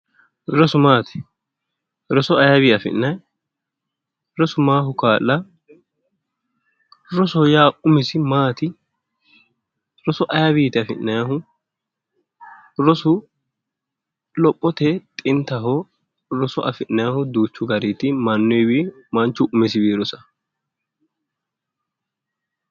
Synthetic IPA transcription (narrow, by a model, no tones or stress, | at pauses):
ɾɔsʊmaːt̪ɛ̥ | ɾɔsɔɐjɐβiːɐfɪ̰nːɐj | ɾɔsʊmaːɦʊkaːlːɐ | ɾɔsɔjaːʔʊmɪsɪmaːt̪ɪ | ɾɔsɔʔɐjabiːt̪ɪɐfɪʔnːɐjaɦʊ | ɾɔsʊ | lɔpʼːɔt̪ɛt̪ʼɪnt̪ːɐɦɔ | ɾɔsɔɐfɪʔnɐjahʊd̪uːt͡ʃːʊɡɐɾiːt̪ɪmɐnːɔjbi | mɐnt͡ʃːʊʔʊmɪsɪbiːɾɔsɐ̥